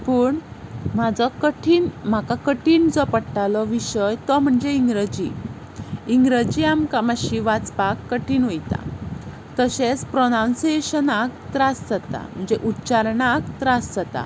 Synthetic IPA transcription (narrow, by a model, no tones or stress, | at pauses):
pəːɳmad͡zɔkəʈʰiːnm̤akakəʈʰiːnd͡zɔpəɽʈalɔʋiɕəjt̪ɔm̤əɳd͡zeiŋɡɾəd͡ʑḭ | iŋɡɾəd͡ʑiamkamaɕiʋat͡spakːəʈʰiːnʋojt̪a̰ | t̪əɕet͡spɾɔnawnseɕənak̚t̪ɾasd͡zat̪a̰m̤əɳd͡zeʔutːt͡ɕaɾnakt̪ɾasd͡zat̪a̰